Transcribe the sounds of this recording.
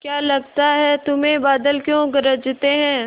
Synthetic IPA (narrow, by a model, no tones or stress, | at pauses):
kjaːlɐɡ̚t̪aɦɛt̪ʊmẽbaːd̪əlkjõɡɐɾəd͡ʒt̪eɦɛ̃ː